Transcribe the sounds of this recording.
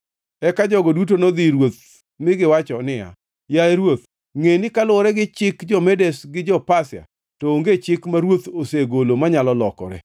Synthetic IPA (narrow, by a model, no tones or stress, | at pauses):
ɛkad͡ʒɔɡɔdut̬onod̪ɪɾwot̪̚ | mɪɡɪwat͡ʃɔnɪja̰ | jaeɾwot̪̚ | ŋenɪkalʊɾɛɡɪt͡ʃɪkd͡ʒɔmedɛsɡɪd͡ʒɔpasja̰ | tɔoŋɡet͡ʃɪkmaɾwot̪oseɡolomaɲalɔlɔkɔ̰ɾɛ̰